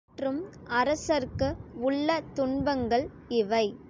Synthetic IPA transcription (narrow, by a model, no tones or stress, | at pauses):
ʈrɯm | ɐɾɐsɐɾkɯʊɭːɐt̪ʊɳbɐŋɡɐɭ | ɪʋɐɪ